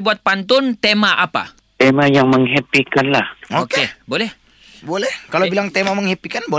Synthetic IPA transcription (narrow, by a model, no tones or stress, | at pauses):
buat̪̚pant̪ʊnt̪emaʔapa̰ | t̪emajaŋməŋɦɛpikanlahookebolɛh | bolɛhkalowbilaŋt̪emaməŋhepikanbo